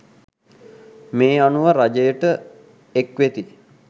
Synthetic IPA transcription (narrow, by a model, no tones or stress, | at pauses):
meːanuʋəɾad͡ʒejəʈə | ekʋet̪i